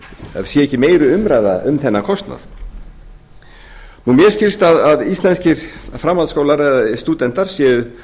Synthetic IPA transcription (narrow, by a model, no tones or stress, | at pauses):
sjɛɛhcːɪmeːjɾʏʏmɾajða̰ʏmθɛnːakʰɔst̪na̰θ | numjɛɾ̥scɪlst̪aðaðist̪lɛnscɪɾ̥fɾamːaðskoːwlaɾɛðast̪uːt̪ɛnt̪aɾ̥sjɛːðʏ